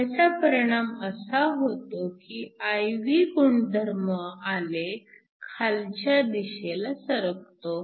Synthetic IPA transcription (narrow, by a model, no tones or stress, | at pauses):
ət͡sapəɾiɽ̃aməsaɦot̪okiajʋiɡuɳd̪ʱəɾməale | kʰalt͡ɕjad̪iɕelasəɾək̚t̪o